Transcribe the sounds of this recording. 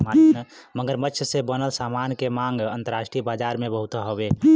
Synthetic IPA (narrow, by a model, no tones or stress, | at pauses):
man | məɡəɾmətːt͡ʃʰəsebənəlsamankemãŋɡənt̪əɾasʈibad͡ʒaɾmebəɦut̪ɦobe